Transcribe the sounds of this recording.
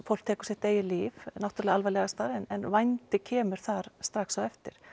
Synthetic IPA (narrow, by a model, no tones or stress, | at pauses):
fow̪̥kt̪ɛːkʏ̥ɛht̪eːjɪliːvnawt̪ɾlɛɣalvajlɛɣast̪aːɾɛnɛnvajnt̪ɪcʰɛːmʏɾ̥θaɾ̥st̪ɾaxksaɣɛft̪ɪ̰ɾ̥